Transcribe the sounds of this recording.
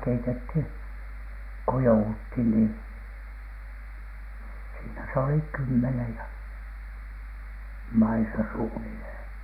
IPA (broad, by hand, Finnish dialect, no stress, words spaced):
keitethin̥ ko jouuthin ni siːnæ se oli kymːenej jɑ mɑisɑ suːnilheˑn̥